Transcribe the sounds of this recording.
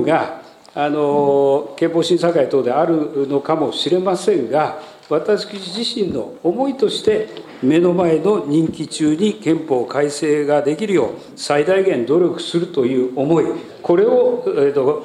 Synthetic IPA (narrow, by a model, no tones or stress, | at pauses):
ɡaː | no̞kẽ̞mpoːɕĩɰsakait̪oːd̪e̞aɾɯ̟no̞kamo̞ɕiɾe̞masẽ̞ŋɡa | βat̪aɕkiʑiɕĩnːo̞̰ːmo̞it̪o̞ɕi̥t̪e̞ | me̞no̞mae̞no̞ɲ̟ĩŋkʲit͡ɕɨːɲ̟ikẽ̞mpo̞ːkʰaiseːɡad̪e̞kʲiɾɯ̟jo̞̰ː | said̪aiɡẽ̞nd̪o̞ɾʲjo̞kɯ̟̥sɨɾɯ̟t̪o̞jɯ̟ːomo̞i | ko̞ɾe̞ot̪o